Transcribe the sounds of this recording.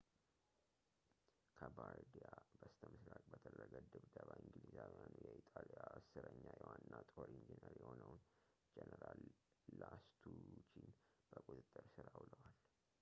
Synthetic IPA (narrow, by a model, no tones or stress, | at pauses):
kʰəbaɾd̪ijabəst̪ʰəmɨsɾakʼbət̪ʰəd̪ɾəɡəd̪ɨβd̪əβaʔiŋɡɨlizawijanujɛʔit̪ʼalijaəsɨɾəɲːajɛwannːat̪ʼoɾind͡ʒinəɾjɛho̞nəwn | d͡ʒɛnəɾalːast̪ʰut͡ʃinb̥əkʼut̪ʼɨt̪ʼːɨɾsɨɾawləwal